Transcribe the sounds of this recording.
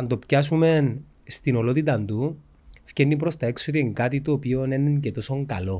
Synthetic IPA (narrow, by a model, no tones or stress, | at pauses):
ɐnd̪o̞pcɐsume̞n | st̪ino̞lo̞t̪it̪ɐnd̪u | fcenːip̬ɾo̞st̪ɐe̞ksot̪ieŋɡɐt̪it̪oːpio̞nenence̞t̪o̞so̞ŋkɐlo̞